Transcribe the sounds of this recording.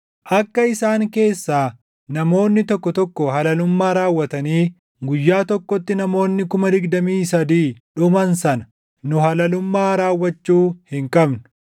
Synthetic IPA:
ʔɐkːɐɪsaːŋke̞ːsːaː | nɐmo̞ːnːɪt̪ɔkːɔt̪ɔkːɔɦɐlɐlʊmːaːɾaːwːɐt̪ɐniː | ɡʊjːaːt̪ɔkːɔt̪ːɪnɐmo̞ːnːɪkʊmɐd̪ɪɡd̪ɐmiːsɐd̪iːᶑʊmɐnsɐnɐ̥ | nʊɦɐlɐlʊmːaːɾaːwːɐt͡ʃːuːhɪŋkʼɐbnʊ̥

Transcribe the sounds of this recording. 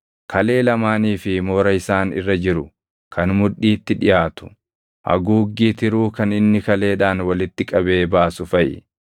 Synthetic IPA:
kɐle̞ːlɐmaːniːfɪmo̞ːɾɐɪsaːnɪ̰rːɐd͡ʒɪɾʊ | kʰɐnmʊᶑːiːt̪ːɪᶑɪjaːt̪ʊ̥ | ʔɐ̰ɡuːɡːiːt̪ɪɾuːkɐnɪnːɪkɐle̞ːᶑaːnwɐlɪt̪ːɪkʼɐbe̞ːbaːsʊfɐʔɪ̰

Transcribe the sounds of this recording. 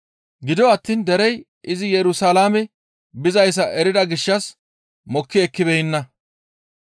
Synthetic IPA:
ɡɪd̪ɔɐt̪ːiːnd̪ɛɾɛj | ʔɪzɪjɛɾʊsaːlaːmɛ | bɪzɐjs̬ɐʔɛɾɪd̪ɐɡɪʃːɐs | mɔkːɪɛkːɪbɛɪnːɐ

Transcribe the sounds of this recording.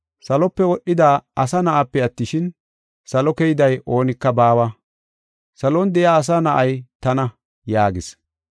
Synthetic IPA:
sɐlɔpːɛwɔɗːɪd̪aːɐsɐnɐʔapːɛɐt̪ːɪʃɪn | sɐlɔkɛjɪd̪ɐjʔo̞ːnɪkːɐbaːwɐ | sɐlond̪ɛjaːs̬anɐʔɐjt̪ɐnɐ | jaːɡɪs

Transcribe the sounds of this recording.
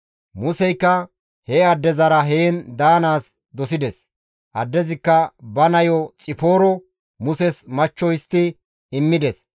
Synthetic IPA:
mʊsɛjkːɐ | hɛɐd̪ːɛzɐɾɐɦeːnd̪aːnaːs | d̪ɔsɪd̪ɛs | ʔɐd̪ːɛzɪkːɐbɐnɐjɔt͡sʼɪfoːɾɔ | mʊsɛsmɐt͡ʃːɔjɪst̪ːɪ | ɪmːɪd̪ɛs

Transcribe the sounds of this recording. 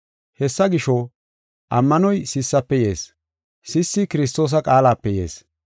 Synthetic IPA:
hɛsːɐɡɪʃo | ʔɐmːɐnɔjsɪsːɐpːɛje̞̰ːs | sɪsːɪkɪɾɪs̬t̪o̞ːs̬ɐkʼaːlaːpːɛjḛːs

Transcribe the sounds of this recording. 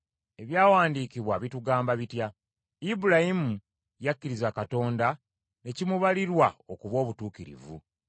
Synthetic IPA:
e̞βjaːwaːndiːkiβwaβituɡaːmbaβitja | ibuɾahimu | jakːiɾizakato̞ːnda | ne̞cimuβaliɾwaokuβo̞ːβutuːkiɾḭvṵ

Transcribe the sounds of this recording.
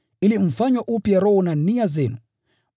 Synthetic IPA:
ilim̩faɲwaʔupjaɾɔhɔnaniazɛnu

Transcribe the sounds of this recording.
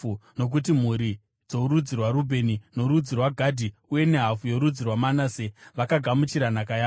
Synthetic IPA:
uno̞k̬ut̬im̤uɾi | d͡zo̞uɾud͡zirwaɾubʱe̞nino̞ɾud͡zirwaɡʱadʱiuje̞ne̞ɦafujo̞ɾud͡zirwamanaseʋakaɡʱamut͡ʃiɾanakajaː

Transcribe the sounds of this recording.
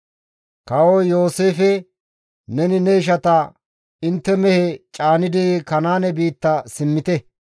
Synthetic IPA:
kɐwojo̞ːseːfɛ | nɛnɪnɛɪʃ̬ɐt̪ɐ | ɪnt̪ːɛmɛhɛt͡ʃʼaːnɪd̪ɪkɐnaːnɛbiːt̪ːɐsɪmːɪt̪ɛ

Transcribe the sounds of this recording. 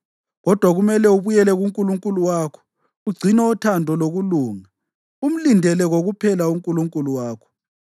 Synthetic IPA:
ɣɔd̥ʱwaɣumɛlɛuβujɛlɛɣuŋkʼuluŋkʼuluwaːkʰɔ̥ | uɡ͡ǀʱinɛɔtʰandʱɔloɣuluːŋa | um̩lindʱɛlɛɣoɣupʰɛlauŋkʼuluŋkʼuluwaːkʰɔ̥

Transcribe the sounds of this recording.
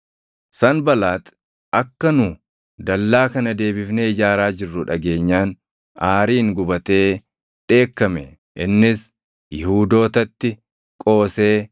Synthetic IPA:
sɐnbɐlaːt̪ | ɐkːɐnʊ | d̪ɐlːaːkɐnɐd̪e̞ːbɪfneːɪd͡ʒaːɾaːd͡ʒɪrːʊᶑɐɡe̞ːɲːaːn | aːɾiːŋɡʊbɐt̪e̞ː | ᶑe̞ːkːɐmɛ | ʔɪnːɪs | jɪhuːd̪o̞ːt̪ɐt̪ːɪ | kʼo̞ːse̞ː

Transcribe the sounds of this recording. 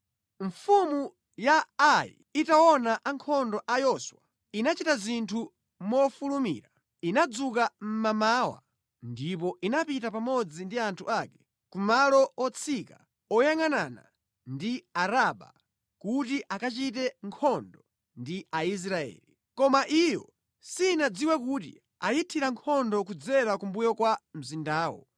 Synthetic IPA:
ɱ̩fumu | jaːḭitawɔnaʔaŋkʰɔndɔʔajɔswa̰ | inat͡ʃitazintʰu | mɔfulumḭːɾa | inad͡zukam̩mamaːwa̰ | ndip̬ɔʔinapitapamɔd͡zindiantʰuakɛ̥ | kumalɔɔt͡sʰika̰ | ɔjaŋanana̰ | ndiaɾaɓa̰ | kutiʔakat͡ʃitɛŋkʰɔndɔ | ndiais̬ɾaɛ̰ːli | kɔmaʔijɔ | sinad͡ziwɛkutḭ | ajitʰiɾaŋkʰɔndɔkud͡zɛɾakumbujɔkwam̩zindaːwɔ̰

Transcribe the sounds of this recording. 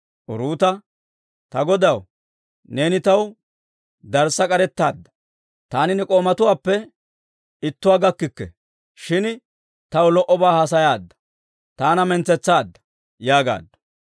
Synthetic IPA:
ʔʊɾuːt̪ɐ | t̪ɐɡɔd̪ɐw | ne̞ːnɪt̪ɐw | d̪ɐɾsɐkʼɐɾɛt̪ːaːd̪ːɐ̥ | t̪aːnɪnɛkʼo̞ːmɐt̪ʊwaːpːɛ | ɪt̪ːʊwaːɡɐkːɪkːɛ̰ | ʃɪn | t̪ɐwlɔʔɔbaːhɐs̬ɐjaːd̪ːɐ̥ | t̪aːnɐmɛnt͡sːɛt͡sːaːd̪ːɐ̥ | jaːɡa̰ːd̪ːɐ̥

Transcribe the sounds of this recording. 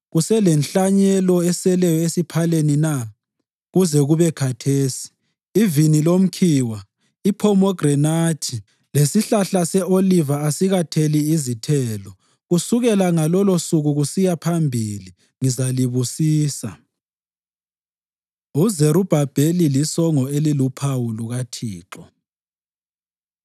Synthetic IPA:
ɣusɛlɛnɬaɲɛlɔɛsɛlɛjɔesipʰalenina | ɣuzɛɣuβɛkʰatʰeːsi̥ː | vinilom̩kʰiwa | ipʰɔmɔɡrɛnatʰi | lesiɬaɬasɛʔolivaasiɣatʰeliizitʰɛːlɔ | ɣusuɣɛlaŋalɔlosuɣuɣusijapʰambʱili | ŋizaliβusiːsa̰ | uzeɾub̥ʱab̥ʱelilisɔŋɔelilupʰawuluɣatʰiːǁɔ

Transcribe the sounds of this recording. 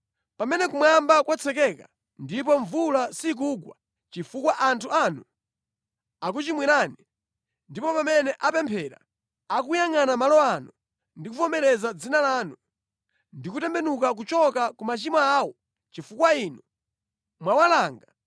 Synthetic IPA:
pamɛnɛkumwambakwat͡sʰɛkɛka | ndip̬ɔɱvulasik̬uɡwa | t͡ʃifukwaʔantʰuaːnu | ak̬ut͡ʃimwɛɾaːni | ndipɔpamɛnɛʔapɛmpʰɛːɾa̰ | ak̬ujaŋanamalɔanu | ndikufɔmɛɾɛzad͡zinalaːnu | ndikutɛmbɛnukak̬ut͡ʃɔkakumat͡ʃimaaːwɔ | t͡ʃifukwainu | mwawalaːŋɡa

